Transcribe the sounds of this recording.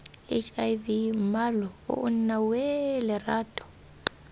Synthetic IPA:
et͡ʃʼajvimalɔṵʔunnawɛlɛraːtʼɔ̥

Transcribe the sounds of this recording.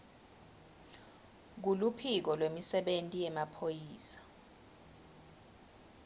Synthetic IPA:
k̬ulupʰik̬ɔlwemisɛɓentʼijɛmapʰojiːsḁ

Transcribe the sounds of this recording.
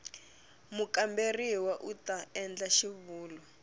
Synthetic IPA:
mukamberiwaʔutaɛnd͡ɮaʃiβuːlɔ

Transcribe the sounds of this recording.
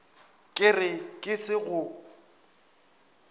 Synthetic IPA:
kʼɪrɪkʼɪsɪɣʊ

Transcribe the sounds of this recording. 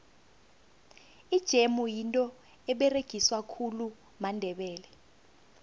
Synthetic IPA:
id̥ʒ̥ʱemujintʼɔ | ɛɓɛreɡ̥ʱiswakʰulu | mandʱɛɓɛːlɛ

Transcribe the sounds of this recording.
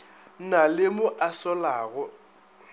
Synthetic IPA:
nalɪmʊʔasɔlaːɣɔ

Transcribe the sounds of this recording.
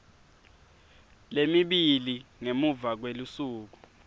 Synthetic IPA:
lemiɓiliŋemuvak̬welusuːk̬u

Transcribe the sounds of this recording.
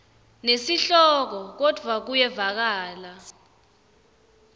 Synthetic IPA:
nesiɬɔk̬ɔk̬ɔd̥ʱwak̬ujɛvak̬aːla

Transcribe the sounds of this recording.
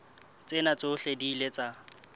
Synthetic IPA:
t͡sʼɪnat͡soʊɬedilet͡sʼa

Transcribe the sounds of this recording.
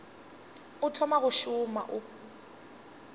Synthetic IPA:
ʊtʰɔmaɣʊʃʊma̰ʔʊ

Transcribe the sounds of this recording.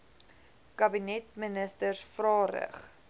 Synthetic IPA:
kɐbinɛtmənəstərsfrɑːɾə̰χ

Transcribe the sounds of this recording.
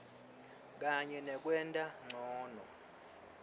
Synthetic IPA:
k̬ʼaɲɛnɛk̬ʼwɛntʼaŋ͡ǀʱɔːnɔ

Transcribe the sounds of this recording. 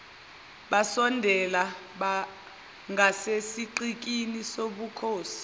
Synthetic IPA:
ɓasɔndʱɛla | ɓa | ŋʱasesiǃik̬inisoɓukʰoːsi̥

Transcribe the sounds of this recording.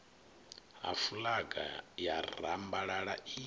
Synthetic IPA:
ɦa̰fulaɡa̰jarambaɺaɺai

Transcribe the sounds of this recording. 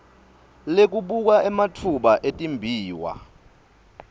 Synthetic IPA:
lek̬uɓuk̬aʔɛmatʰuɓaʔetʼimbʱiːwa̰

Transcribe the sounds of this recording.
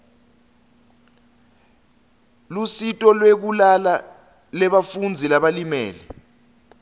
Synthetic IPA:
lusitʼɔlwek̬ulala | lɛɓafund͡zʱilaɓalimɛ̰ːlɛ

